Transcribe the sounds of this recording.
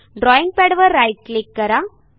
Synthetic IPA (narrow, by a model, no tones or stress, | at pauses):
ɖɾɔːjɪŋɡ̚pɛɽɐʋɐɾːɐɪʈ̚klɪkːɐɾã